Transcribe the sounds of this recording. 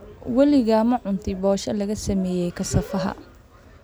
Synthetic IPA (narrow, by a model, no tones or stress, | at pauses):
wɐlɪɣɐmɐʕʊnt̪ʰɪbɔːʃɐlɐɣɐsɐmɛːjɛjkʰɐsɐfɐɦɐ̰